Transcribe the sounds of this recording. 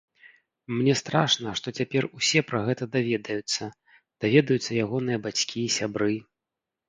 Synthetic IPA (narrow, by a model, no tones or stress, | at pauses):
mnʲɛst̪ɾaʂnɐʂt̪ɔt͡sʲapʲɛrusʲɛpɾɐɣɛt̪ɐd̪avʲɛd̪ɐjut̪sːɐ | d̪̥avʲɛd̪ɐjut̪sːɐjaɣɔnɨjɐbat͡sʲkʲiːsʲabɾɨ